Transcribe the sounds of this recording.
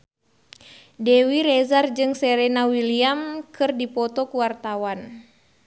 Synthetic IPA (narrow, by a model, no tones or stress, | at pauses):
dɛwiɾɛzard͡ʒɨŋsɛɾɛnawiliamkʰɨrdipɔt̪ɔkuwart̪awan